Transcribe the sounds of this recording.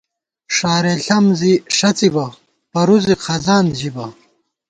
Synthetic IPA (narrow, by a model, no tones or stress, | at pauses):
ʂaːɾeɬɐmziʂɐt͡sibɐ | pɐɾuziqʰɐzaːnʑibɐ